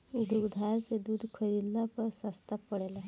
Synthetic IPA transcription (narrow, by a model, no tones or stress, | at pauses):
d̪ɾuɡd̪ʱaːlsed̪uːd̪ʱkʰəɾiːllapɐɾsɐst̪apːəɽeːla